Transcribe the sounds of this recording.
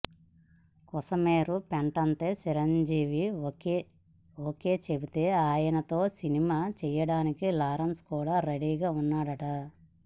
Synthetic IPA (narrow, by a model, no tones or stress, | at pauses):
kɔsɐmeːɾupɛɳʈɐnt̪e̞ːt͡ʃiɾɐɲd͡ʒiːʋi | oːke̞ːt͡ʃebit̪e̞ːaːjɐnɐt̪o̞ːsinimaːt͡ʃɛjɐɽaːnikilaːɾɐnskuːɽaːɾeɽiːɡaːunːaːɽɐʈɐ